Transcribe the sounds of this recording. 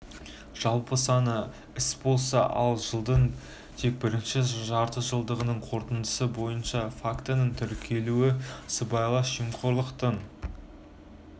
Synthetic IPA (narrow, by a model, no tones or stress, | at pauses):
ʒ̥ɑlˠpəsɑnə | ɪsbo̞lˠsɑ̰ʔɑ̰lˠʒəlˠd̪əɴ | t̪ʰe̞k̚bɪɾɪnʃɪʒɑɾt̪əʒəlˠd̪əʁənəɴqʰo̞ɾt̪ənd̪əsəbo̞jənʃɑfakt̪ənəɴt̪ʰʏɾkʲʰe̞luɪsəbɑjlˠɑʃimqʰoɾlˠəqt̪ən